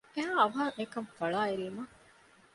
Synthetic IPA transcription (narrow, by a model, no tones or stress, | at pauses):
eɦaːɐʋɐɦɐekɐmfɐɭaːiɾiːmɐ